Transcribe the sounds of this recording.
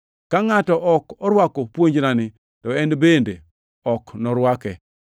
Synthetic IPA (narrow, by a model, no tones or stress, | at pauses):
kaŋatɔʔɔkɔɾwakɔpwoɲd͡ʒnanɪ | tɔɛnbende | ɔknɔɾwakɛ